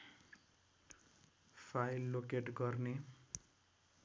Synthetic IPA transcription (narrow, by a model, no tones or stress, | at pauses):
pʰajlːokeʈɡʌrne